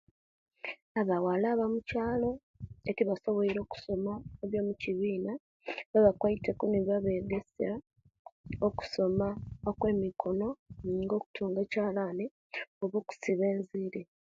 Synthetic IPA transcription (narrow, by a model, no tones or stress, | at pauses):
aβawalaːβamucaːlo̞ | eciβaso̞βoiɾo̞ːku̥so̞maeβjo̞ːmuciβiːna | βaβakwaitekuneβaβe̞ːɡesa | oku̥so̞maokwe̞ːmikʰo̞no̞niːŋɡo̞ːku̥tʰuːŋɡe̞ːcaːlaːne | oβoku̥siβe̞ːnziɾe